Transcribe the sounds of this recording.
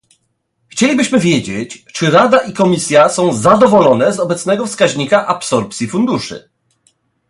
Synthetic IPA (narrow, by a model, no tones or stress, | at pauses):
xt͡ɕelʲibɘɕmɘvʲjed͡ʑet͡ɕt͡ʂɘɾad̪aʔikɔmʲisʲjasɔ̃w̃zad̪ɔvɔlɔn̪ɛzɔbɛt̪snɛɡɔfskaʑɲikaʔapsɔɾpt̪sʲjifund̪uʂɘ̰